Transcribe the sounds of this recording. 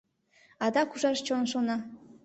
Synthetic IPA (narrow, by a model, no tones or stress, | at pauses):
ɑd̪ɑkuʒɑʃt͡ɕonʃonɑ